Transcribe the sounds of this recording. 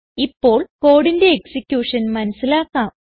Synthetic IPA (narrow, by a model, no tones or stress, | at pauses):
ipːo̞ːɭko̞ːɽinde̞ːksikʲːjuːʂɐnmɐnɐsilaːkːaːm